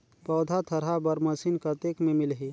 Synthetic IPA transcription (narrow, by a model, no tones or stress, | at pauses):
pɔːd̪ʱat̪ʰəɾɦabəɾməsinkət̪eːkmẽmɪlɦi